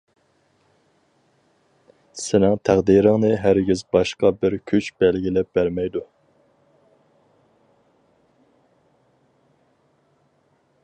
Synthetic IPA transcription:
sɪnɪŋt̪ʰæʁd̪iɾɪŋnɨɦæɾɡʲizbɑʃqɑbɪɾkʲʰyt͡ʃbɛlɡʲilɛp̚b̥æɾmɛjd̪u

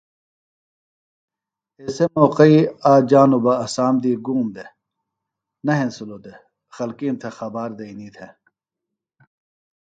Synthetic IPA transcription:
eːsemoːqɐiaːd͡ʑaːnubɐɐsaːmd̪iːɡuːmd̪e | nɐɦẽnsulod̪e | xɐlkiːnt̪ʰexɐbaːɾd̪ɐiniːt̪ʰe

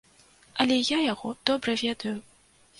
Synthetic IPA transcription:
ɐlʲɛjajaɣɔd̪̥ɔbɾɐvʲɛd̪ɐju

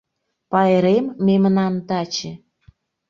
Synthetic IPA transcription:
pɑeɾemːemnɑnt̪ɑt͡ɕĕ

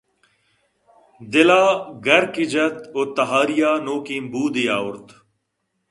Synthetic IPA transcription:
d̪ɪlaːɡɐɾkid͡ʒɐt̪oːt̪ɐɦaːɾijaːnoːkiːmbuːd̪ijaːʊɾt̪

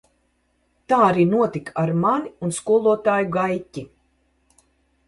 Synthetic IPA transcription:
t̪aːaɾiːnuɔt̪ikaɾmaniunskuɔlˠuɔt̪aːjuɡajcʲi

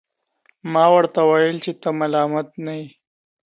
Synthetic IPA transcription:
mɑwəɾt̪awajəlt͡ʃet̪əmalɑːmat̪naji

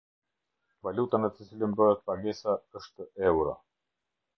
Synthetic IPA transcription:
valut̪anət̪ət͡siləmbəɦɛt̪̚paɡɛsaəʃt̪əʔɛwɾa̰

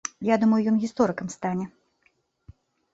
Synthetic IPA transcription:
jad̪umɐjujɔnɣʲist̪ɔɾɨkɐmst̪anʲɛ

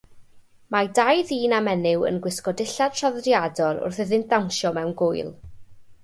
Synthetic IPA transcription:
madajðiːnamɛnɪwə̰nɡwɪskɔdɪɬad̥̚tʰr̥ɔðrjadɔlˠʊ̰rθɪðɪnt̚dawnʃɔmɛwnɡʊɨlˠ

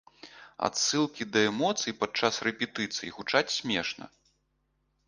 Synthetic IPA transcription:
a̰t̪sɨlˠkʲid̪ɐɛmɔt̪sɨjipat͡ʂːasrɛpʲɛt̪ɨt̪sɨjiɣut͡ʂat͡sʲsʲmʲɛʂnɐ̰

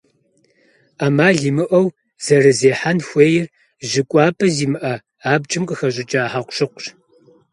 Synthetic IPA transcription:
amaːɮimɨʔɐw | z̥ɐrɨzeːħanxʷeːjɪr | ʒɪkʷʼɑːpʰʼɐziːmɨʔɐ | aːb̚t͡ʃʼɨmqʼəxɐɕʼɪt͡ʃʼaːħaqʷɕɨqʷɕ

